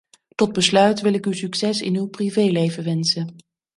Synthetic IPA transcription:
tɔd̚bəslœɥtʋɪlɪkywsyksɛsɪ̰nywprivejlejvəʋɛnsə

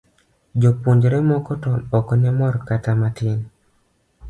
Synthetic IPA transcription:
d͡ʒopuɲd͡ʒɾɛmɔkɔtɔnɔkɔnɛmɔrkatamatɪn

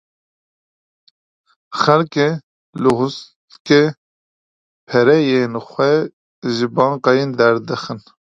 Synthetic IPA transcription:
xɛlke | lɨɦʊst̪ke | pʰɛɾɛjeːnxʷɛ | ʒɪbɑːŋqɑjind̪ɛɾd̪ɨxɨn

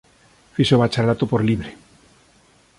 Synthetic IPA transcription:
fisoβat͡ʃalat̪opoɾliβɾe

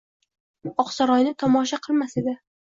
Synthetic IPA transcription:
ɒqsɒɾɒjnɪt̪ʰɒmɒʃ̬aqʰɨlˠmased̪ɪ

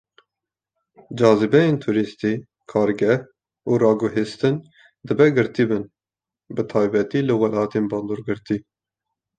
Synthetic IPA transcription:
d͡ʒɑːzɨbɛjeːnt̪ʰuɾist̪i | kʰɑːɾɡɛh | uːɾɑːɡʊɦist̪ɨn | d̪ɨbɛɡɨɾt̪ibɨn | bɨt̪ʰɑːjbɛt̪iːlɨwɛlɑːt̪ʰeːnbɑːnd̪oːɾɡɨɾt̪i

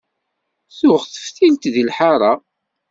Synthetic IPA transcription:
θʊʁθə̥fθint̪ðilħaɾˤɑ

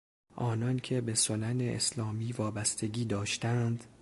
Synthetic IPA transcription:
ʔɒːnɒːncʰe̞be̞solæneʔḛslɒːmiːvɒːbæst̪ʰe̞ɡiːd̪ɒːʃt̪ænd̪̥

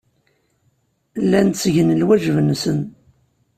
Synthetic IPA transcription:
lːænsʝənəlwæʒvənsən

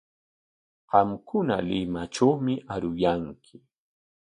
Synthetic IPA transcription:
ɢɑmkʊna̰lɪmaʈ͡ʂawmɪʔaɾʊjaŋkʰɪ

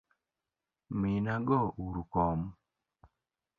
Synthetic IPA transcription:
minaɡɔʔuɾukɔm

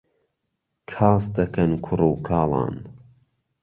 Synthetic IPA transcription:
kʰaːsd̪ɐkɐnkʰʊruːkʰɑːlˠɑ̰ːn

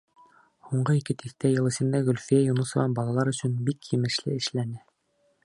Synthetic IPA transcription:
huɴɢɤikɘt̪ʰiθt̪æjɤ̆lˠɘ̆sɤ̆nd̪ɑɣɵ̆lʲfijæjunɤsɤ̆vɑnbɑlˠɑlˠɑɾɵ̆sɵnbikjɘmɘ̆ʃlɘ̰ɘ̆ʃlænɘ

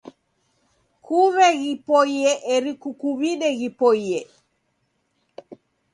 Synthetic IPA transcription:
kʰuβɛɣipɔiɛʔɛɾikukuβiɗɛɣipɔiɛ

